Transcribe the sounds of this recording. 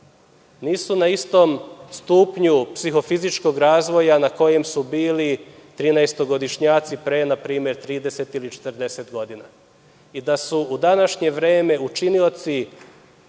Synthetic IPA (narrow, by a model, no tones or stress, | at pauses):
niːsunaist̪o̞mst̪uːpɲupsixo̞fizit͡ʃko̞ɡɾaːzʋo̞janako̞je̞msubiːlit̪ɾiːnaest̪o̞ɡo̞d̪iʃɲaːt̪sipɾe̞ːnapɾiːme̞ɾt̪ɾiːd̪e̞se̞t̪ilit͡ʃe̥t̪əɾd̪e̞se̞t̪ɡo̞d̪ina | id̪asuud̪anaʃɲe̞ʋɾe̞ːme̞ut͡ʃinio̞t̪si